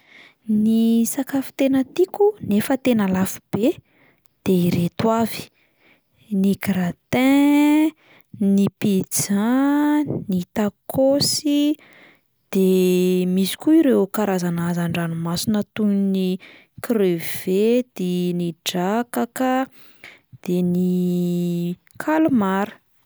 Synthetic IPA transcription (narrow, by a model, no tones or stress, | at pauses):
nisakafi̥t̪enət̪ikʲunefət̪enəlafu̥b̥e | d̪̥eiɾet̪wavi̥ | nikɾat̪ɛ̃ | nipid͡za | nit̪akosi | d̪̥emisi̥kʲuiɾekaɾazanazaɳɖ͡ʐanimasinət̪uni | krev̥ed̪̥eniɖ͡ʐakakə | d̪̥eni | kʰalumaɾə̥